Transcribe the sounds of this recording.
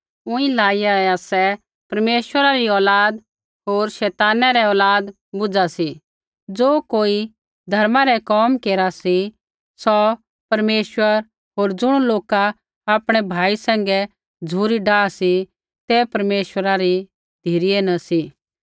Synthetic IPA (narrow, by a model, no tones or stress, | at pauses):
ʊ̃ĩlaːijaɛasɛ | pɐɾmeːʃwəɾaɾiɔːlaːd̪ | ɦoːɾʃɛːt̪aːnaɾɛɔːlaːd̪ | bʊd͡zasi | d͡zoːkoːi | d̪ʱɐɾmãɾɛkɔːmkeːɾasi | sɔ | pɐɾmeːʃwəɾ | ɦoːɾd͡zʊɽ̃uloːka | aːpɽ̃ɛbʱaːisɛ̃ːŋ̆ɡɛ | d͡zʱuːɾiɖaːsi | t̪ɛpɐɾmeːʃwəɾaɾi | d̪ʱiːɾijenɐsi